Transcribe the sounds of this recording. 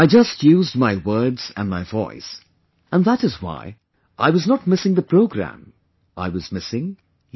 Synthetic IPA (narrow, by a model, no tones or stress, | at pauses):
aɪd͡ʒʌstʰjʉzd̚maɪwɜ˞dz̥ɨ̰̃nmaɪvɔ̰ɪs | ə̃nðæɾɨzwa̰ɪ | ʔaɪwʌznət̚mɪsɪ̃ŋðəpʰɹ̥oʊɡɹæ̰̃m | ʔa̰ɪwʌzmɪsɪ̃ŋ